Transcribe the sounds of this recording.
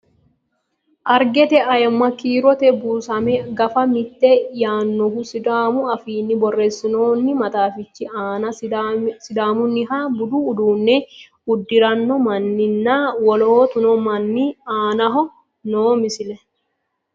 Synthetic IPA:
ʔɐɾɡɛt̪ɛʔɐjɐmːɐkiːɾɔt̪ɛbuːsɐmɛɡɐfɐmɪt̪ːɛjaːnːɔɦʊsɪd̪aːmʊɐfiːnːɪbɔrːeːsːɪnoːnːɪmɐt̪aːfɪt͡ʃːɪaːnɐsɪd̪aːmʊnːɪɦaːbʊd̪uːd̪uːnːɛ | ʊd̪ːɪɾɐnːɔmɐnːɪnːaːwɔloːt̪ʊnɔmɐnːɪaːnɐɦɔ | noːmɪsɪlɛ

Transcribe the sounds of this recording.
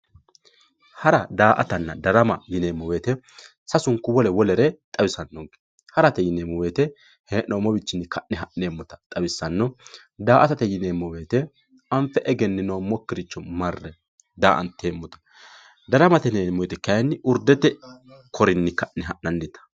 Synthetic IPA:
hɐɾɐd̪aːʔɐt̪ɐnːɐd̪ɐɾɐmɐjɪneːmːɔwe̞ːt̪ɛ | sɐsʊŋkːʊwɔlɛwɔlɛɾɛt̪ʼɐwɪsɐnːɔɡ | hɐɾɐt̪ɛjɪneːmːɔweːt̪ɛ | heːnoːmɔbɪt͡ʃːɪnːɪkʰɐʔnɪɦɐʔneːmːɔt̪ɐ̥t̪ʼɐwɪsːɐnːɔ | d̪aːʔɐt̪ɐt̪ɛjɪneːmːɔwe̞ːt̪ɛ | ɐmfɛʔɛɡɛnːɪnoːmɔkːɪɾɪt͡ʃːɔmɐrːɛ | d̪aːʔɐ̰nt̪eːmːɔt̪ɐ̥ | d̪ɐɾɐmɐt̪ɛneːmːɔjɛt̪ɛkɐjnːɪʔʊɾd̪ɛt̪ɛkʰɔɾɪnːɪkɐʔnɪɦɐʔnɐnd̪ɪt̪ɐ̥

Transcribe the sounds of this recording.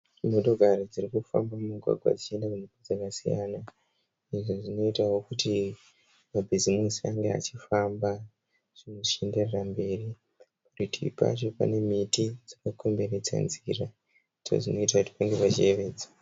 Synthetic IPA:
moɗo̞ɡʱaɾid͡zirikufa̰mbamuɡʱwa̰ɡʱwa̰d͡zit͡ʃie̞ndakunipod͡zakasijana | iʐoʐino̞itawo̞kuti | mabʱizimusiaŋɡea̰t͡ʃifamba | ʐ̥ino̞ʂe̞nde̞rerambe̞ːri | paritʰiipa̰t͡ʃo̞pa̰ne̞mitid͡zakakʰo̞mbe̞ɾed͡za̰nzḭra | it͡ʃo̰ʐino̞itakuti̥paŋɡe̞pat͡ʃie̞ʋe̞ːd͡zḁ

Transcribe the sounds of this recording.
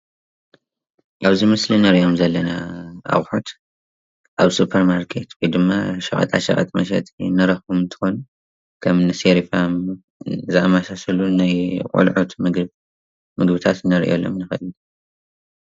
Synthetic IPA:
ʔaβzimɨslinɐɾijo̞mzɐlːɐnaʔa̰wħot̪ | ʔaβsupʰːɐɾmaɾkʰe̞t̪wɔjd̪ɨmːaʃɐχʼɐ̰t̪ʼa̰ʃɐ̰ɣʼɐ̰t̪ʼmɐ̰ʃ̬ɐ̰t̪ʼinɐɾɐxumɨnt̪ʰɨ̥xo̞nu | kʰɐmnɨseɾifam | zɨamasasɐlunajkʼṵlʕot̪mɨɡ | mɨɡbɨt̪ʰat̪nɐɾʔo̰lːo̰mnɨxɐln

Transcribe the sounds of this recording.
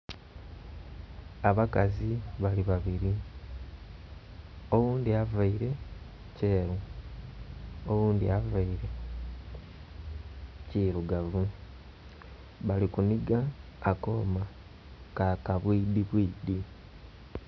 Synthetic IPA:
aβakaziβaliβaβiɾi | owuːndiavaiɾe̞ | ce̞ːɾu | owuːndḭavaiɾe̞ | ciːɾuɡavu | βalikuniɡaːko̞ːma | kakaβwiːdiβwiːdi

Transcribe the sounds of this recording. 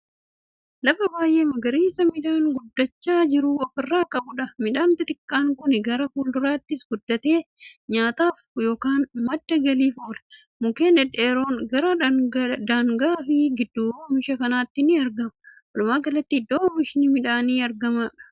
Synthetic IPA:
lɐfɐbaːjʔe̞ːmɐɡɐɾiːsɐmɪᶑaːŋɡʊd̪ːɐt͡ʃːaːd͡ʒɪɾʊɔfɪrːaːkʼɐbʊᶑɐmɪᶑaːnt̪ɐt̪ɪkːaːŋkʊnɪɡɐɾɐfuːld̪ʊɾaːt̪ːɪsɡʊd̪ːɐt̪e̞ːɲaːt̪aːfjo̞ːkaːnmɐd̪ːɐɡɐliːfoːlɐ | mʊkeːnɛᶑeːɾoːnɡɐɾɐd̪aːŋɡaːfɪɡɪd̪ːuːmɪʃɐkɐnaːt̪ːɪnɪɐɾɡɐmɐʔɔlʊmaːɡɐlɐt̪ːɪɪd̪ːoːmɪʃɪnimɪᶑaːniːɐɾɡɐmɐᶑɐ̥

